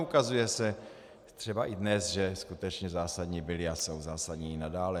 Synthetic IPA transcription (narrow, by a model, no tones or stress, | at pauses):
ukazujɛsɛ | t̪r̝̥ɛbaʔɪdnɛsʒɛskut̪ɛt͡ʃɲɛzaːsadɲibɪlɪasowzaːsadɲiɪnadaːlɛ